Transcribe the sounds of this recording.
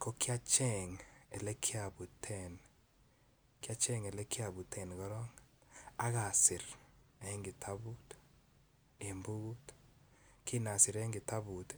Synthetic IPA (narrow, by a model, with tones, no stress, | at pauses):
ko˦kɪ˦a˦t͡ʃɛ˦˨ŋe˨lɛ˦kʰɪ˦a˨bu˨tʰɛ˨n | kɪ˦a˦t͡ʃɛ˦˨ŋɛ˨le˦kɪ˦a˨bu˨tʰɛ˨nɡɔ˦ɾɔ˦ŋa˦ɣa˨sɪ˨ɾɛ˦ŋɡɪ˨tʰa˦bu˦t | e˨mbu˦ɡu˦t | kɪ˦na˨sɪ˨ɾɛ˦ŋɡɪ˨ta˦βu˨t